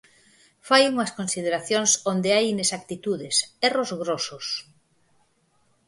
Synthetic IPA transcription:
fajuŋɐskõnsiðeɾaθjoŋsond̪eajinesak̚t̪it̪uðɪsɛrozɣɾosʊs

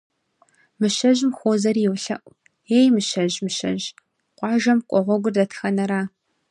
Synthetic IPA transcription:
mɨʃɐʒmxʷoːzɐrjɪwɬɐ̰ʔʷ | eːjmɨʃɐʑmɨʃɐ̰ʑ | qʷɑːʒɐmqʷʼɔʁʷɔɡʷʊrdɐtʰxɐnɐɾaː

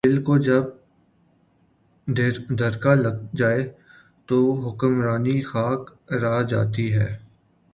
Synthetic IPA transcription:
ɪlkod͡ʒɐb̚ | d̪ʱɐɾkalɐɡd͡ʒaːe | t̪oɦʊkəmɾaːnixaːkɾad͡ʒa̰ːt̪iɦɛː

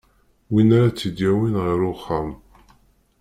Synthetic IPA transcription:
winaɾat͡sːid̪jæwinʁəɾʊχːam

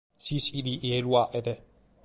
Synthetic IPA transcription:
sisid̪iʔeːlwaːʔɛt̪ɛ

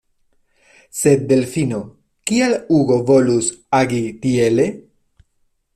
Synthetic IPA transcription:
sebelfino | kialuɡo̞vo̞lusaɡit̪iele̞

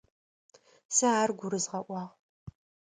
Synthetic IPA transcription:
sɨaːrɡʷʊɾɨzʁɐʔʷɑːʁ

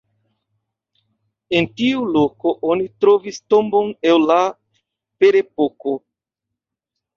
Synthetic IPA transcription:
e̞ntiulo̞ko̞ʔonitɾo̞visto̞mbo̞ne̞lla | pe̞ɾe̞poko̞

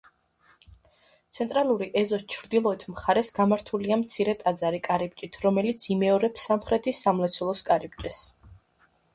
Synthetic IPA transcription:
t̪sʰɛnt̪ʼɾalˠuɾiʔɛzɔst͡ʃʰɾd̪ilˠɔɛt̪ʰmχaɾɛsɡamaɾt̪ʰuliamt̪sʰiɾɛt̪ʼad̪zaɾikʼaɾib̚t͡ʃʼit̪ʰɾɔmɛlit̪sʰimɛɔɾɛpsːamχɾɛt̪ʰisamlɛt̪sʰulˠɔskʼaɾib̚t͡ʃʼɛs

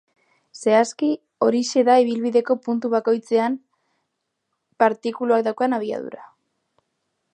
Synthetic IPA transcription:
se̞aski | o̞ɾise̞ðaiβ̞ilβiðe̞ko̞punt̪uβako̞jt͡se̞am | paɾt̪ikuluak̚d̪awkanaβ̞ia̰ð̞ṵɾa

